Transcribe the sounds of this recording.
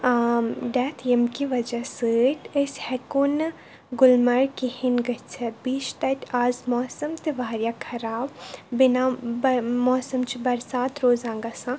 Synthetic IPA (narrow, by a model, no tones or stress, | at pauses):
ɖɛːt̪ʰemkiʋɐd͡ʒɐsɨʈʲʰəsʲhɛkun | ɡʊlmɐɾkihinɡɐt͡ʃʰɐbiːt͡ʃt̪ɐt̪ʲaːzmɔːsɐmt̪iʋaːɾjakʰɐɾaːbbinabmɔːsɐmt͡ʃʰibɐɾsaːt̪ɾoːzãːŋɡasã